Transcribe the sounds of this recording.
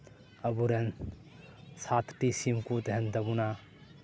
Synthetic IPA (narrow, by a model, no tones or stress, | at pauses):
ɐbuɾen | sat̪ʰtisimkut̪eɦentɐbuna